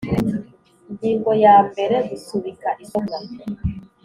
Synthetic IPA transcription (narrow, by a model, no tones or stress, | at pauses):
ɲɟiːŋɡɔjaːmbɛɾɛzisuβikaʔisɔmɡa